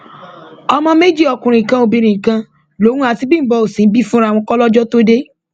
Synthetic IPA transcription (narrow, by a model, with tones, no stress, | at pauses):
ɔ˧mɔ̃˧me˦d͡ʒi˦ɔ˧˨kũ˨ɾ̃ĩ˨kã˧o˧bi˧ɾ̃ĩ˨kã˧ | lo˦ũ˦a˧ti˦bĩ˦m̩˨bɔ˧o˨sĩ˨˦bi˦fũ˦ɾã˦˨ɔ̃˧kɔ˦lɔ˦d͡ʒɔ˦to˦de˦